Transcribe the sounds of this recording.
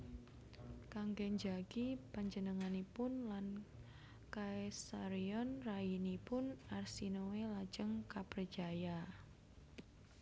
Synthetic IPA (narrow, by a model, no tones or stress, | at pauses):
kaŋɡɛɲd͡ʒaɡ̥ipaɲd͡ʒənəŋanipʊnlan | kaesaɾiɔnrainipʊnarsinowelḁd͡ʒəŋkapərt͡ʃaja